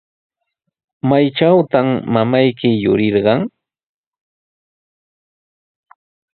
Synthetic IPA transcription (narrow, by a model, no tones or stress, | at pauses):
majʈ͡ʂawt̪amːamajkɪjʊɾɪɾɢɑŋ